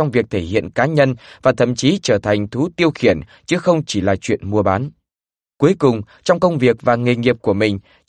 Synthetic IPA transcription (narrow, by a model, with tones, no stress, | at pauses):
ɔ˧wŋ͡mvi˨˩ək̚t̪ʰe˧˩hḭ˧˨ənkaː˨˦ɲə˧nvaː˨˩t̪ʰə̰˧˨mt͡ɕi˨˦t͡ɕəː˧˩t̪ʰa˨˩jŋ̟t̪ʰu˨˦t̪i˧əwxi˧˩ən | t͡ɕɨ˨˦xə˧wŋ͡mt͡ɕi˧˩laː˨˩t͡ɕwḭ˧˨ənmu˧əɓaː˨˦n | ku˨˦əjkʊ˨˩ŋ͡m | t͡ɕɔ˧wŋ͡mkə˧wŋ͡mvi˨˩ək̚vaː˨˩ŋe˨˩ŋi˨˩əp̚ku˧˩əmï˨˩ŋ̟